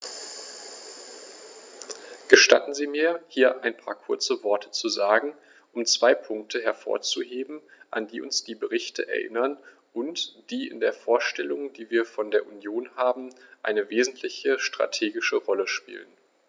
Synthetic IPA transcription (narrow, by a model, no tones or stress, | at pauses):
ɡ̥əʃta̰tn̩ziːmiːɐhiːɐʔaɪnpʰa̰ːɐkʰʊɐt͡səvɔɐtʰə̥t͡suzaːɡŋ̩ | ʔʊmt͡sv̥aɪpʰʊŋk̚tʰəɦɛɐfo̰ːɐt͡suɦeːbm̩ʔa̰ndiːʊ̰nsd̥iːbəʁɪçtʰə̰ʔɛ̰ɐʔɪ̰nɐn | ʔʊntd̥iːɪ̰ndeːɐfoːɐʃtɛlʊŋd̥iːviːɐfɔndeːɐʔunjoːnhaːbm̩ʔa̰ɪnəveːzn̩tʰlɪçəʃtʁ̥a̰tʰeːɡɪʃəʁɔləʃpḭːlən